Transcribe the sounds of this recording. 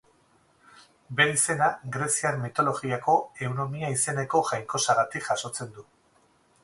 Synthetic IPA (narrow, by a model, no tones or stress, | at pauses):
be̞ɾise̞naɡɾe̞siaɾmit̪o̞lo̞ɣiako̞e̞wno̞miaise̞ne̞ko̞ʝajŋko̞saɣat̪ikʝaso̞t͡se̞nd̪u